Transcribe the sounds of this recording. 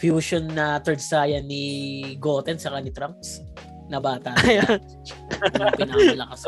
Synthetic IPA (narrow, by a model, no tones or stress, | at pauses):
fjuːʃonːɐt̪ɛɹd̪saːjɐniɡoːt̪ɛnsɐkanɪt̪ɾamps | nɐbaːt̪ɐja | pɪnaɐlɐkɐs